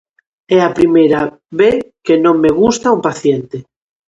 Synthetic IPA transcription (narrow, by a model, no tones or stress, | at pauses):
ɛapɾimejɾa | βeθkenõŋmeɣ̞ust̪aumpaθjent̪e